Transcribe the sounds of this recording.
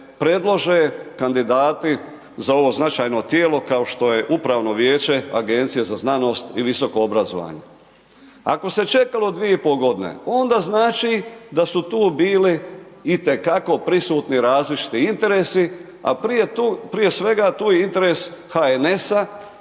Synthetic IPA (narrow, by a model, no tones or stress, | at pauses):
pɾe̞d̪lˠoʒekand̪id̪aːt̪i | zao̞ʋo̞znat͡ʃaːjnot̪jeːlo̞kao̞ʃt̪o̞je̞ʔupɾaːʋno̞ʋje̞ːt͡ʃe̞aɡe̞nt̪sijezaznano̞ːst̪iʋiso̞ko̞obɾazo̰ʋa̰ːɲḛ | a̰ko̞se̞t͡ʃe̞kalo̞d̪ʋijeipo̞ɡo̞d̪inḛo̞nd̪aːznaːt͡ʃid̪asut̪uːbiːliːt̪e̞kako̞pɾisuːt̪niɾaːzlit͡ʃi̥t̪iint̪e̞ɾeːsi | a̰ | pɾije̞sʋe̞ɡat̪uːjeint̪e̞ɾeshaene̞sa